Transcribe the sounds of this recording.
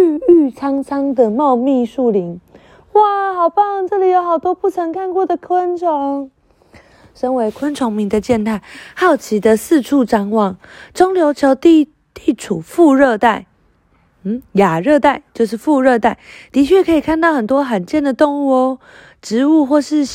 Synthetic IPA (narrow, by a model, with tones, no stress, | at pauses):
y˥˧y˥˩t͡sʰɑ˥ŋt͡sʰɑ˥ŋd̪ə˨mɑ˥˧ʊmi˥˧ʂu˥˩li˧˥ŋ | wa˥˩xɑ˨˩ʊpɑ˥˩ŋʈ͡ʂɤ˥˧˨li˨˩jo˧˥ʊxɑ˨˩ʊt̪wɔ˥pu˥˩t͡sʰə˧˥ŋkʰa˥˧nkwɔ˥˩d̪ə˩kʰwə˦˥nʈ͡ʂʰo˧˦ŋ | ʂə˦ŋwe˧˥ɪkʰwə˥nʈ͡ʂʰo˧˥ŋmi˧˥ŋd̪ə˨t͡ɕjɛ˥˧nt̪ʰa˥˩ɪhɑ˥˩ʊt͡ɕʰi˧˥d̪ə˧sɹ̩˥˧ʈ͡ʂʰu˥˧ʈ͡ʂɑ˥ŋwɑ˥˩ŋʈ͡ʂo˥ŋljo˧ʊt͡ɕʰjo˧˥ʊt̪i˥˧ | t̪i˥˩ʈ͡ʂʰu˨˩fu˥˧ɻə˥˧t̪a˥˩ɪ | n̩˥˨˩ja˨˩ɻɤ˥˧t̪a˥˧ɪt͡ɕjo˥˧ʊʂɻ̩˥˧fu˥˧ɻɤ˥˧t̪a˥˩ɪt̪i˧˥t͡ɕʰɥɛ˥˩kʰɤ˧˥i˨˩kʰa˥˧nt̪ɑ˥˩xə˨˩nt̪wɔ˥xa˨˩nt͡ɕjɛ˥˩nd̪ə˩t̪o˥ŋwɔ˧˥ | ʈ͡ʂɻ̩˧˥˦u˥˧xwɔ˥˧ʂɻ̩˥˧